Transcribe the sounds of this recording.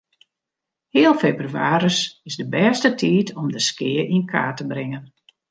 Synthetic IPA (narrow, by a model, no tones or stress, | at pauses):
hiːəlˠfeːbryaːɾəsɪzdəbɛstətʰiːtʰɔmdəskɪəʔinkʰa̰ːtəbrɪŋən